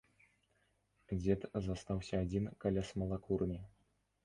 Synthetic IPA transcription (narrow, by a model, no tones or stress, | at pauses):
d͡zʲɛt̪zast̪awsʲɐːd͡zʲinkalʲasmɐlˠakurnʲi